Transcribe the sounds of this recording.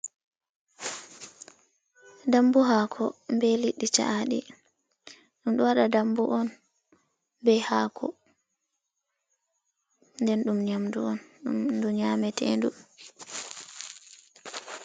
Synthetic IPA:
dambuɦaːkʰɔmbɛliɗːit͡ʃa̰ʔaɗḭ | ɗumɗɔwaɗadambuʔɔn | bɛhaːkʰɔ̰ | ndɛnɗumɲamduɔnɗumduɲaːmɛtʰɛ̰ndu

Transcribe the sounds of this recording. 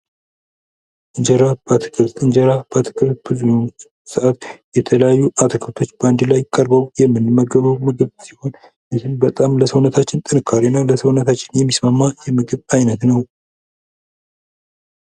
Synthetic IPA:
ʔɨɲd͡ʒəɾab̥at̪ʰɨ̥kʼɨɾt̪ɨɲd͡ʒəɾab̥at̪ʰɨ̥kʰʼɨɾt̪̚bɨzujon | sɨʔat̪jɛt̪ʰələjajːuʔat̪ʰɨkʰɨɾt̪ʰo̞t͡ʃːbəand̪ɨlajkʼːəɾbəwjɛmːɨnɨmːəɡəβəβmɨɡɨβsiho̞n | ɨsɨnbət̪ʼamləsəwnət̪ʰat͡ʃːɪnt̪ʼɨnɨkʰːaɾinəwləsəwnət̪ʰat͡ʃːɪnjɛmːismamːajɛmɨɡɨβajnət̪nəw

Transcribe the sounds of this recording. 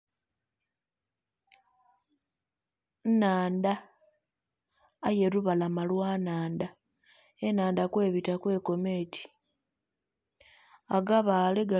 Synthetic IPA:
nnaːnda | je̞ɾuβalamalwaːnaːnda | enaːndakwe̞ːβitakwe̞ːko̞me̞ːtʰi̥ | aɡaβaːleɡa

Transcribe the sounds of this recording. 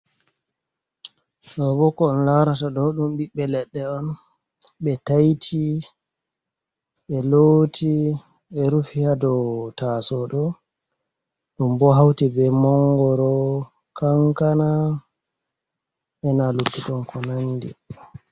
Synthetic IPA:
ɗɔbɔkɔːnlawɾataɗɔɗumɓiɓːɛlɛɗːɛɔn | ɓɛtajtʰi | ɓɛlotʰi | ɓɛɾufihadɔtasɔɗɔ | ɗumbɔɦawtibɛmɔŋɡɔɾɔ | kaŋkana | ʔɛnalukːutɔnkʰɔnandḭ

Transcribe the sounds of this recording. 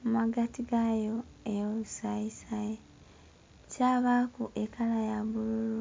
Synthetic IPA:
maɡatiɡajo̞eosaisai | caːβakuʔekalajaβuluɾu

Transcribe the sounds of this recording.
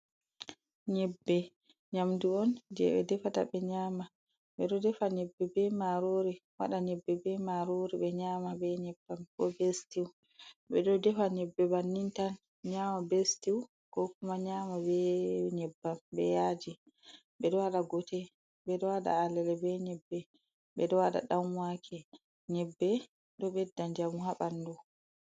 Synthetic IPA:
ɲɛbːɛ | ɲamduɔnd͡ʒɛ̰ɓɛ̰dɛfata̰bɛɲaːma | ɓɛɗɔdɛfaɲɛbːɛbɛmaɾoɾiwa̰ɗaɲɛbːɛbɛmaɾoɾiɓɛɲaːmabɛɲɛbːamkɔbestiw | ɓɛɗɔdɛfaɲɛbːɛbanːintan | ɲamabestiw | kɔkumaɲaːmabɛɲɛbːambɛjad͡ʒi | ɓɛɗɔaɗaɡɔtɛ | ɓɛɗɔwaɗa̰alɛlɛbɛɲɛbːɛ | ɓbɛɗɔwaɗa̰ɗamwakʰɛ | ɲɛbːɛ | ɗɔɓɛdːaɲd͡ʒamuɦaɓandɔ

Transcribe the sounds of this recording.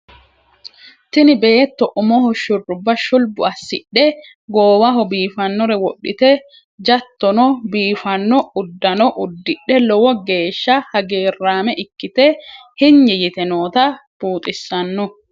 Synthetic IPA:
t̪ɪnɪbe̞ːt̪ːɔʔʊmɔhɔʃʊrːʊbːɐʃʊlbʊɐsːɪ̰ɗɛ | ɡoːwɐɦɔbiːfɐnːɔɾɛwɔɗːɪ̰t̪ɛ | d͡ʒɐt̪ːɔnɔbiːfɐnːɔʊd̪ːɐnɔʔʊd̪ːɪɗːɛlɔwɔɡe̞ːʃːɐhɐɡe̞ːrːaːmɛʔɪkːɪt̪ɛhɪɲːɪjɪt̪ɛnoːt̪ɐb̥uːt̪ʼɪsːɐnːɔ

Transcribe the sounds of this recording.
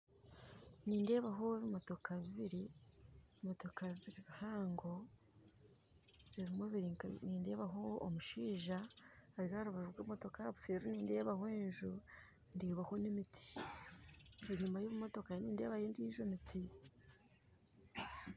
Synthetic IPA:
niːnde̞ːβaɦoβimo̞to̞kʰaβiβiɾi | imo̞to̞kaβiβiɾiβihaːŋɡo̞ | βiɾimweβiɾiniːnde̞ːβaɦo̞ːmuʃiːʒaaɾihaɾuβavuɡoumoto̞kaβuseːɾoniːnde̞ːβahweːnʒu | ndeːβahonemitʰi̥ | eɲuːmbajoβumo̞to̞kaniːnde̞ːβajeːndiiʒomitʰi

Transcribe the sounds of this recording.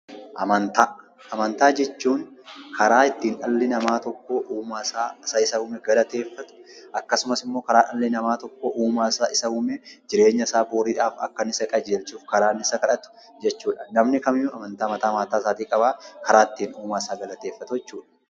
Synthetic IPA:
ʔɐmɐnt̪aː | ɐmɐnt̪aːd͡ʒɛt͡ʃːuːŋkʰɐɾaːɪt̪ːiːnᶑɐlːɪnɐmaːt̪ɔkːoːʔuːmasaːsɐɪsɐhʊːmɛɡɐlɐt̪e̞ːfːɐt̪ʊ̥ʔɐkːɐsʊmɐsɪmːo̞ːkɐɾaːᶑɐlːɪnɐmaːt̪ɔkːoːʔuːmaːsaːɪsɐhʊmɛd͡ʒɪɾe̞ːɲːɐsaːboːɾiːᶑaːfɐ̰kːɐnɪsɐkʼɐd͡ʒeːlt͡ʃuːfkɐɾaːnːɪsɐkɐᶑɐt̪ʊ̥ | d͡ʒɛt͡ʃːuːᶑɐnɐmnɪkɐmɪjʊɐmɐnt̪aːmɐt̪aːmaːt̪aːsaːt̪iːkʼɐbaːkɐɾaːɪt̪ːiːnuːmaːɪsaːɡɐlɐt̪e̞ːfːɐt̪ʊjɛt͡ʃːuːᶑɐ̥

